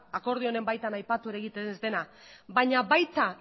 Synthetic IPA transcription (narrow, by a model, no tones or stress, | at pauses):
ako̞ɾð̞io̞ne̞mbajt̪anajpat̪ue̞ɾaeɣit̪enzd̪e̞na | βaɲaβajt̪a